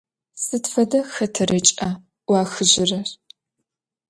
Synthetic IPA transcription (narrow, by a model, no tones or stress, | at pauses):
sɨtfɐdɐxɐtʰɐrɐt͡ʃʼɐ | wɑːxɨʑɪrɐr